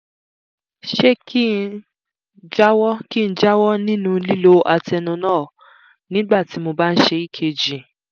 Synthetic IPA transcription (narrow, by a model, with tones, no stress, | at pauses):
ʃe˦kʰi˦ | d͡ʒa˦wɔ˦ki˦n̩˦d͡ʒa˦wɔ˦nĩ˦nũ˦˧li˦lo˦ʔa˧tɛ˧nũ˧nãː˦˨ | nĩ˦ɡ͡ba˦˨ti˨˦mo˧ba˦n̩˦ʃe˧i˦˨kʰe˧d͡ʒĩ˨